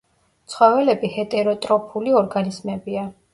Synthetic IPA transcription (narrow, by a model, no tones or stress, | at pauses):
t̪sʰχwɔvɛlɛbihɛt̪ʼɛɾɔt̪ʼɾɔpʰuliɔɾɡanizmɛbia